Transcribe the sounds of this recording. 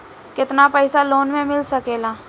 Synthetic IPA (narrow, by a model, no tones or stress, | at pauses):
kɪt̪napɛɪsaloːnmẽmɪlsɐkeːlaː